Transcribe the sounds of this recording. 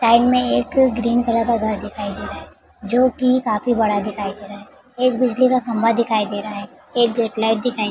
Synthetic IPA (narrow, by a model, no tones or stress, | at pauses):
saːɪnmẽeːkɡɾiːnkɐlakaɡʱɐɾd̪ɪkʰaːid̪eːɾaɦɛ | d͡ʒoːkikaːfibɐɽad̪ɪkʰaːid̪eːɾaɦɛː | eːk̚bɪd͡ʒlikakʰɐ̃mbad̪ɪkʰaːid̪eːɾaɦaɦɛ | eːk̚ɡeːʈlaːɪʈ̚d̪ɪkʰaː